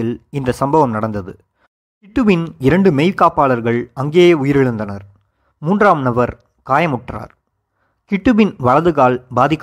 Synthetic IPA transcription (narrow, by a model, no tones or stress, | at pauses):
ɪlɪnd̪ɐsɐmbɐʋɐmnɐɽɐnd̪ɐðɯ̰ | kɪʈːɯʋɪnɪɾɐɳɖɯmejɪlkaːpaːlɐɾɣɐɭɐŋɡeːʊjɪɾɪɻɯnd̪ɐnɐɾ | muːndraːmnɐʋɐɾ | kaːjɐmʊʈra̰ːɾ | kɪʈːɯʋɪnʋɐɭɐðɯɣaːlbaːðɪkː